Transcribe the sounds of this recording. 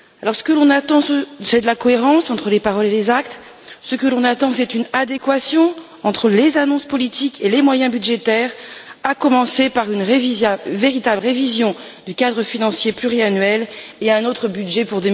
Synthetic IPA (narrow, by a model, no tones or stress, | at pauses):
alɔʁsə̥kəlɔ̃nat̪ɑ̃səsɛd̪əlakɔeʁɑ̃sɑ̃t̪χəlepaʁɔlelezakt̪ | səkəlɔ̃nat̪ɑ̃sɛt̪ynad̪ekwasjɔ̃ | ɑ̃t̪χəlezanɔ̃spɔlit̪ikʰelemwajɛ̃byd̪ʒet̪ɛʁakɔmɑ̃sepaʁynʁeviveʁit̪abləʁevizjɔ̃d̪ykad̪ʁəfinɑ̃sjeplyʁianɥɛleɛ̃not̪χəbyd̪ʒɛpuʁd̪ə